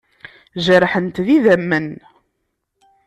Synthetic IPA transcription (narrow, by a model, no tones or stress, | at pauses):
ʒəɾħənt̪ðiðæmːən